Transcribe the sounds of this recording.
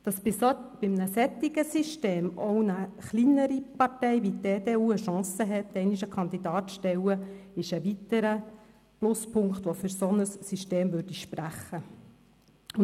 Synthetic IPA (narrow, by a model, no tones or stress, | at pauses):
d̥ɑsɪb̥ɪmnəsɛt̪ːiɡəsiʃteːmɔʊwnəχlinəɾipɑrtɛɪʋideːd̥eːuːəʃɑ̃ːsəɦɛt̪ːɛɪniʃəkʰɑnd̪id̥̪ɑːt̪ʃtɛwəɪʃəʋit̪əɾə | plʊspʰʊŋkχt̪ʋɔfyɾsɔnəsːyʃteːmʋʉɾd̥iʃpræχːə | ʊ